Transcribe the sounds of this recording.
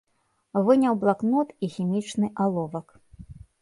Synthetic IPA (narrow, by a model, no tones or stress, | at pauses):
vɨnʲɐwblˠaknɔt̪ixʲimʲit͡ʂnɨʔalˠɔvɐk